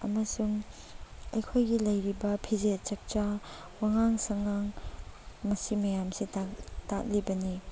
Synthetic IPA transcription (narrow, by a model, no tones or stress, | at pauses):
ɐmɐsuŋ | ɐjkʰojɡilɐjɾibɐpʰizet͡ʃɐk̚t͡ʃa | waŋaŋsɐŋaŋ | mɐsimɐjamsitatak̚libɐni